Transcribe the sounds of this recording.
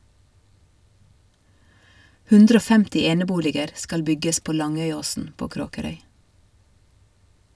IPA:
ˈhʉndɾə ˈoː ˈfɛmtɪ ˈeːnəˌbuːlɪɡəɾ ˈskɑl ˈbʏɡəs ˈpoː ˈlɑŋœʏˌoːsn̩ ˈpoː ˈkɾoːkəɾœʏ

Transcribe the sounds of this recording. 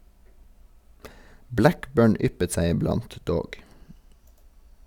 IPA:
ˈblækˌbøːɳ ˈʏpət ˈsæɪ ɪˈblɑnt ˈdoːɡ

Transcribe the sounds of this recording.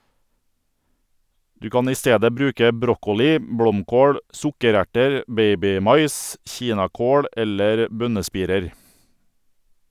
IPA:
ˈdʉː ˈkɑːn ˈiː ˈsteːdə ˈbɾʉːkə ˈbɾɔkʊlɪ ˈbɽɔmˌkoːɽ ˈsʊkəˌɾæʈəɾ ˈbeɪbɪˌmɑɪs ˈçiːnɑˌkoːɽ ˈɛləɾ ˈbœnəˌspiːɾəɾ

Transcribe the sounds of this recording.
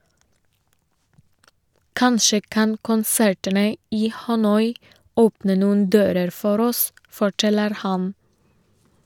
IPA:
ˈkɑnʃə ˈkɑn kʊnˈsæɹtənə ˈiː hɑˈnɔʏ ˈoːpnə ˈnuːn̩ ˈdøːɾəɾ ˈfɔɾ ˈɔs fɔˈʈɛləɾ ˈhɑn

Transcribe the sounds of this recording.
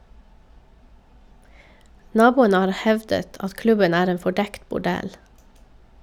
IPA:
ˈnɑːˌbuːənə ˈhɑːɾ ˈhɛʋdət ˈɑt ˈklʉbən ˈæːɾ ˈeːn fɔˈɖɛkt bʊˈɖɛl

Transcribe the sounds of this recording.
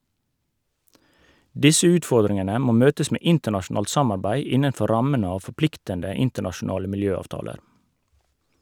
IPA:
ˈdɪsə ˈʉːtˌfɔɾdɾɪŋənə ˈmoː ˈmøːtəs ˈmeː ˈɪntəɳɑʃʊˌnɑːlt ˈsɑmɑɾbæɪ ˈɪnənˌfɔ ˈɾɑmən ˈɑː fɔˈplɪktəndə ˈɪntəɳɑʃʊˌnɑːlə mɪlˈjøːˌɑːʋtɑːləɾ

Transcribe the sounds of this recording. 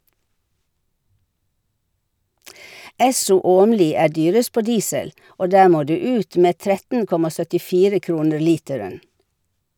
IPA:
ˈɛsʊ ˈoːmliː ˈæː ˈdyːɾəs ˈpoː ˈdiːsəl ˈoː ˈdæː ˈmoː ˈdʉː ˈʉːt ˈmeː ˈtɾɛtn̩ ˈkɔmɑ sœtɪˈfiːɾə ˈkɾuːnəɾ ˈliːtɛɹən

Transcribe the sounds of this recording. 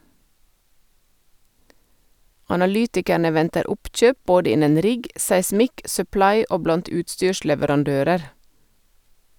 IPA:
ɑnɑˈlyːtɪkəɳə ˈʋɛntəɾ ˈʊpˌc͡çøːp ˈboːdə ˈɪnən ˈɾɪɡ sæɪˈsmɪk sœˈplɑɪ ˈoː ˈblɑnt ˈʉːtˌstyːʃlɛʋəɾɑnˌdøːɾəɾ

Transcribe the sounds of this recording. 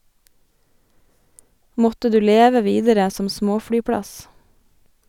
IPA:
ˈmɔtə ˈdʉː ˈleːʋə ˈʋiːdəɾə ˈsɔm ˈsmoːfɽyːˌpɽɑs

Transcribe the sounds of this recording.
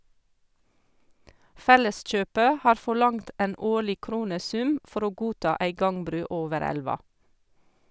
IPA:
ˈfɛləˌsc͡çøːpə ˈhɑːɾ ˌfɔˈɭɑŋt ˈʔeːn ˈoːɭɪ ˈkɾuːnəˌsʉm ˈfɔɾ ˈoː ˈɡuːˌtɑː ˈæɪ ˈɡɑŋˌbɾʉː ˈoːʋəɾ ˈælʋɑ

